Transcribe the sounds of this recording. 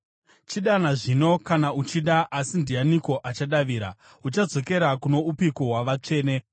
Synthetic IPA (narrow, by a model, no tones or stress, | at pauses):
t͡ʃiɗanaʐino̞kanaut͡ʃiɗaʔasindijaniko̞ʔat͡ʃaɗaʋiːɾa̰ | ut͡ʃad͡zo̞ke̞ɾakuno̞upikoɦwaʋat͡ʂe̞ːne̞